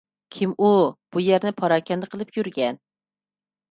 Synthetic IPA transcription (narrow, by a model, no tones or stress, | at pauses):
kʲʰimub̥ujæɾnɪpʰɑɾɑːkʲɛnd̪ɨqʰəlˠɨpjyɾɡʲɛn